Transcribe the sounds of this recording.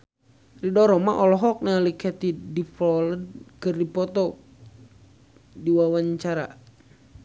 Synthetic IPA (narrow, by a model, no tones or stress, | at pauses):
ridɔɾɔmaʔɔlɔɦɔk̚nalikɛt̪idifɔlədkɨrdipɔt̪ɔ | diwawaɲt͡ʃaɾa̰